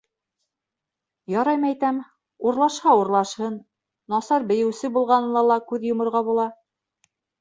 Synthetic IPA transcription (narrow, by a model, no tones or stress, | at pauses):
jɑɾɑjmɤæjt̪æm | uɾlˠɑʃhɑuɾlˠɑʃhɤnː | ɑsɑɾbɘ̆jɘ̆wsɘbulˠʁɑnɤlˠɑlˠɑkʉðjŏmŏɾʁɑbulˠɑ